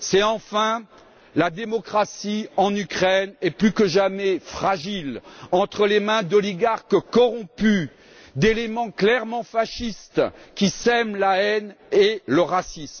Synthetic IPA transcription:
sɛɑ̃fɛ̃ | lad̪emɔkχasiɑ̃nykχɛnɛplykəʒamɛfχaʒilɑ̃t̪χəlemɛ̃d̪ɔliɡaʁkkɔʁɔ̃py | d̪elemɑ̃klɛʁmɑ̃faʃist̪kʲisɛmlaɛneləʁasism

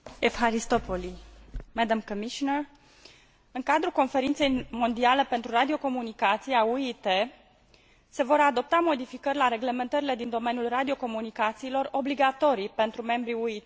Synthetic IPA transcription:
efxaɾist̪opolimɛd̪amkomiʃonər | ɨŋkad̪ɾuko̞nfe̞ɾint̪sejmo̞nd̪iale̞pe̞nt̪ɾurad̪io̞ko̞munikat̪sijauit̪e̞ | se̞vo̞ɾad̪o̞p̚t̪amo̞d̪ifikərʲlaɾe̞ɡle̞me̞nt̪əɾile̞d̪ind̪o̞me̞njulrad̪io̞ko̞munikat̪siːlo̞ro̞bliɡat̪o̞ɾipe̞nt̪ɾume̞mbɾiuit̪e

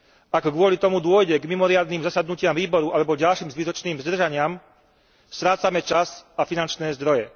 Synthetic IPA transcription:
ʔaɡɡʋʊɔlit̪ɔmud̪ʊɔjɟɛɡmimɔɾɪad̪niːmzasad̪nucɪamʋiːbɔɾuʔalɛbɔɟalʃiːmzʋit̪ɔt͡ʃniːmzd̪r̩ʒaɲɪam | st̪ɾaːt͡samɛt͡ʃazafinant͡ʃnɛːzd̪ɾɔjɛ

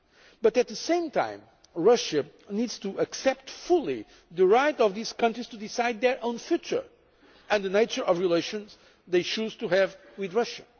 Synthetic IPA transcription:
bʌtɨt̪̚ðəsẽɪ̃mtʰã̰ɪ̃m | ɹʌʃɨ | nidz̥tuʔəksɛp̚tfulˠi | ðɨɹaɪtɔvðiz̥kʌ̃ntɹiz̥tudisaɪd̪̚ðə˞ʔõʊ̃nfjut͡ʃə̰˞ | ɨ̃nðɨneɪt͡ʃə˞ʔɔvɹileɪʃɨ̃nz̥ | ðeɪt͡ʃuz̥tuɦɨv | wiðɹʌʃɨ

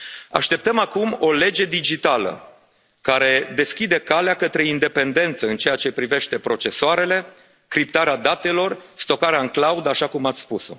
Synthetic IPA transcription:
a̰ʃt̪e̞p̚t̪əmakumo̞le̞d͡ʒe̞d̪id͡ʒit̪alə̰ | kaɾe̞d̪e̞skʲid̪e̞kaleakət̪ɾe̞ind̪e̞pe̞nd̪e̞nt̪səɨnt͡ʃe̞jat͡ʃe̞pɾive̞ʃt̪e̞pɾo̞t͡ʃe̞soaɾe̞le̞ | kɾip̚t̪aɾead̪at̪e̞lo̞rst̪o̞kaɾeaɨŋklaud̪aʃakumat̪sʲspuso̞̰

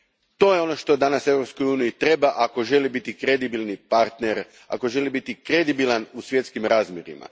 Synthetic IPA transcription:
t̪o̞jeo̞no̞ʃt̪o̞d̪anase̞ʋɾo̞psko̞juːnijit̪ɾe̞baʔako̞ʒe̞libit̪ikɾe̞d̪ibilˠnipaɾt̪neɾ | a̰ko̞ʒe̞libit̪ikɾe̞d̪ibilˠanusʋje̞t̪skimɾaːzmjeɾḭma̰

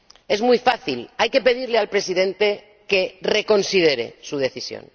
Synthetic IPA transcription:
e̞zmujfaθilajke̞pe̞ðiɾlealpɾe̞siðẽ̞nt̪e̞ | ke̞re̞ko̞nsið̞e̞ɾe̞̰suð̞e̞θisjo̰n

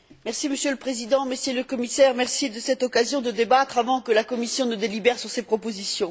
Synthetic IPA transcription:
mɛʁsiməsjøləpχezid̪ɑ̃mesjiləkɔmisɛʁmɛʁsid̪əsɛt̪ɔkazjɔ̃d̪əd̪ebat̪χavɑ̃kəlakɔmisjɔ̃nəd̪elibɛʁsyʁsepχɔpozisjɔ̃

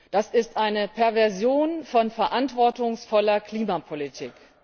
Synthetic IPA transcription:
d̥asɪstʔaɪnəpʰɛɐvɛɐzjoːnfɔnfɛɐʔantv̥ɔɐtʊŋsfɔlɐkʰl̥iːmapʰolitʰḭːk

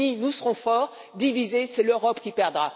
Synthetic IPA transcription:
inusəʁɔ̃fɔːʁ | d̪ivizesɛløʁɔpkʲipɛʁd̪ʁa

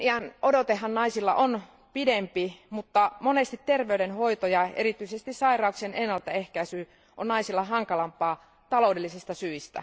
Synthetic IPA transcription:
iɑnodot̪ehːɑnnɑisilːɑ̰ʔon | pidempimut̪ːɑmonest̪it̪ːerʋeydenhoit̪ojɑḛrit̪yisest̪issɑirɑuksenenːɑlt̪æehkæisyː | ʔonnɑisilːɑɦɑŋkɑlɑmpɑː | t̪ɑloudelːisist̪ɑsyist̪æ̰

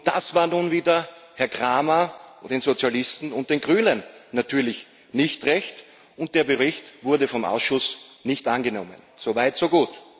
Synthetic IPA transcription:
d̥asv̥aːɐnuːnviːdɐhɛɐɡʁaːmad̥eːnzot͡sjalɪstn̩ʊnt̚d̥eːnɡʁyːnənːatʰyːɐlɪç | nɪçtʁɛçt | ʊnt̚d̥eːɐbəʁɪçtvʊɐdəfɔmʔa̰ʊsʃʊsnɪçtʔanɡənɔmə̰nz̥ovaɪtsoːɡuːt

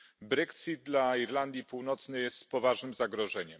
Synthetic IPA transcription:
bɾɛksid̪̚d̪laiɾland̪ʲjipuwnɔt̪snɘjɛst̪pɔvaʐnɘmzaɡɾɔʐɛɲɛm

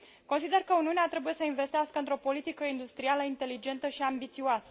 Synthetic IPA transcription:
ko̞nsid̪e̞rkəuniuneat̪ɾe̞buje̞səinve̞st̪iaskəɨnt̪ɾo̞po̞lit̪ikəind̪ust̪ɾialəint̪e̞lid͡ʒe̞nt̪əʃiambit̪sioasə

